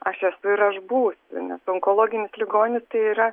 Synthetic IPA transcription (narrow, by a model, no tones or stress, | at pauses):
ɐʃɛsʊɪɾɐʒbuːsʲʊ̰nʲɛsɔŋkoːlˠoːɡʲɪnʲɪslʲɪɡoːnʲɪst̪ɐɪiːɾɐ